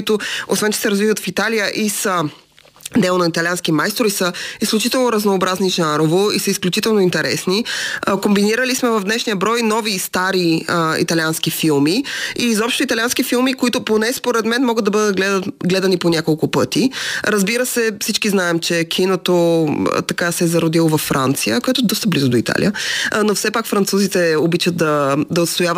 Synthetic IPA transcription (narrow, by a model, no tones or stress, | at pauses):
kʊit̪ʊo̰svɛnt͡ʃɛ̥sɛɾɐzvivət̪fit̪alijəʔisə | d̪ɛlonɐit̪ɐlʲianskimajst̪ɾoisəisklʲut͡ʃit̪ɛlˠnoɾɐznoːbɾazniʒaɾovoisəisklʲut͡ʃit̪ɛlˠnoint̪ɛɾɛ̰snikombiniɾəlismɛvɐvd̪nɛʃnijəbɾɔjnɔvist̪aɾiəḭt̪ɐlianskifilˠmiizɔpʃt̪oit̪ɐlianskifilˠmikoit̪ʊponɛspoɾɛd̪mɛnmɔɡəd̪d̪ɐbɤd̪ət̪̚ɡlɛd̪ət̪ɡlɛd̪ɐniponʲakolˠkʊpɤt̪iɾəzbiɾəsɛfsit͡ʃkiznaɛmt͡ʃɛkʰinot̪o̰t̪ɐkasɛɛzɐɾʊd̪ilˠovɐfːɾa̰nt̪sijəkoɛt̪ʊɛd̪ɔst̪əblizʊd̪oit̪a̰lḭənofsɛpakfɾɐnt̪suzit̪ɛobit͡ʃət̪̚d̪ɐd̪ɐot̪st̪ojavə